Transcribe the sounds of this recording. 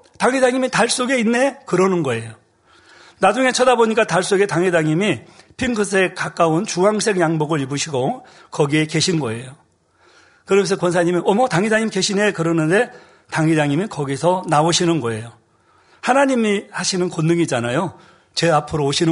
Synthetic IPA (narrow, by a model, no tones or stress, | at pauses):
taŋedaŋimitaɭs͈oɡe̞inːe̞kɯɾʌnɯnɡʌe̞jo | nad͡ʑuŋe̞t͡ɕʰʌdaboɲik͈ataɭs͈oɡe̞taŋɦedaŋimipʰiŋkʰɯsʰe̞kak͈aunt͡ɕuɦaŋsʰe̞ɡjaŋboɡɯɾibuɕʰiɡo | kʌɡieke̞ɕʰinɡʌe̞jo | kɯɾʌmensʰʌkwʌnsʰaɲimiʔʌmʌtaŋidaŋimke̞ɕʰinekɯɾʌnɯnde̞ | taŋidaŋimikʌɡisʰʌnaoɕʰinɯnɡʌe̞jo | hanaɲimihaɕʰinɯnkonːɯŋid͡ʑanajo | t͡ɕe̞apʰɯɾoːɕʰin